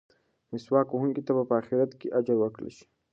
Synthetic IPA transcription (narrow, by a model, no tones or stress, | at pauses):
nɪswɑːkuhuŋɡit̪abapəaxɪɾat̪keʔad͡ʒaɾwakɽḛʃi̥